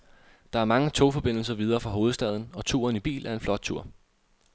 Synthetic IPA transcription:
d̥ɑ̈æɐmɑ̈ŋət͡sʰo̝fɒ̽b̥e̝n̰l̩sɐʋið̞ˠɐːfʁɑ̈ɦo̝ːð̞̩ˠsd̥ɛð̞ˠn̩ɒ̽t͡sʰṵːɐnib̥ḭːlæɐe̝nflɒ̽d̥̚t͡sʰuɐ̰

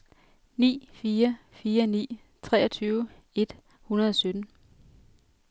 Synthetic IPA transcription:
nḭːfiːɐfiːɐnḭː | t͡sʰʁɛ̰ːɐt͡sʰyːʊ | e̝d̥ | hunɐð̞ˠɒ̽sød̥n̩

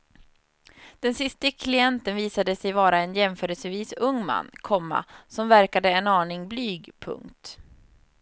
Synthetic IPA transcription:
d̪̥ɛnsɪst̪əkʰlɪɛnt̪ənviːsad̪əsɛjvɑːɾaɛnjɛmfœːɾɛlsəviːsɵŋːma̰nːkʰɔmːa̰sɔmvæɾkad̪əɛnɑːɳɪŋblyːɡpʰɵ̰ŋkt̪

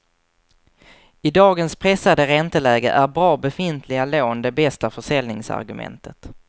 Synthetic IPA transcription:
ɪd̪ɑːɡənspʰɾɛsad̪əɾɛnt̪əlɛːɡə̰ʔæɾbɾɑːbɛfɪnt̪ʰlɪɡaloːnd̪ɛbɛst̪afœʂɛlnɪŋsa̰ɾɡɵmɛ̰nt̪ʰət̪

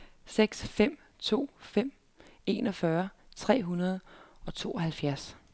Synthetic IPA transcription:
seɡ̥sfem̰ | t͡sʰo̝̰ːfem̰ | e̝ːnɒ̽fɶːɐt͡sʰʁɛ̰ːɦunɐð̞ˠɒ̽t͡sʰo̝̰ːɒ̽hælfjæɐ̰s

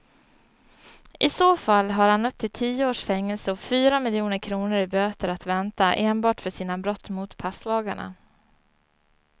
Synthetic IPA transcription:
ʔɪsoːfalːɦaɾhanɵp̚t̪ʰɪlt̪ʰiːəoːʂfɛŋːɛlsəɔfyːɾamɪljuːnəɾkʰɾuːnəɾɪbøːt̪əɾat̪vɛnt̪aʔeːnbɑːʈfœʂiːnabɾɔt̪ːmʊt̪pʰaslɑːɡaɳa̰

